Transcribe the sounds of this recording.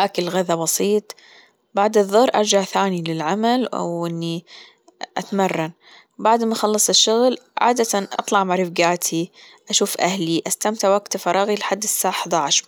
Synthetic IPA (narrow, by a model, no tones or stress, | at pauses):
ʔakɪlɣaðabɑsˤiːt̪ˤ | baʕd̪ɨðˤːʊrˤʔɑ̰ɾˤd͡ʒaʕθaːnilɪlʕamalʔa̰wʔɪnːi | ʔat̪marˤːɑn | baʕd̪maʔxɑlːɑsˤɪʃːʊɣlʕa̰ːd̪at̪aʔɑ̰t̪ˤlɑʕmaɾɪfɡaːt̪ʰi | ʔaʃuːfʔahliʔast̪amt̪aʕwaɡt̪fɑɾˤɑːɣilɪħad̪ːɪsːaːħd̪aʕaʃ